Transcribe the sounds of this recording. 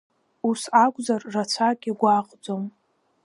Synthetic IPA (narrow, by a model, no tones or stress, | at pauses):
usakʷʼzarːat͡ɕʷʰakʲʼiɡʷaqʼd͡zom